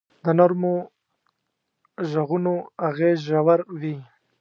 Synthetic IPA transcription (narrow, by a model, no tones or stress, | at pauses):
d̪ənoɾmo | ʒaɣunoaɣezʒawaɾwi